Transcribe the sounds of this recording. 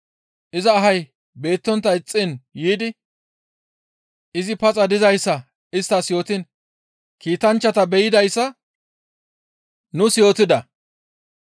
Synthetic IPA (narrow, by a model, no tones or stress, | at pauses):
ʔɪzɐːɦɐj | be̞ːt̪ːɔnt̪ːɐɪt͡sʼːɪnjiːd̪ɪ | ɪzɪpɐt͡sʼɐd̪ɪzɐjsːɐ | ɪst̪ːɐsjo̞ːt̪ɪn | kiːt̪ɐnt͡ʃːɐt̪ɐbɛjɪd̪ɐjsːɐ | nʊsjo̞ːt̪ɪd̪ɐ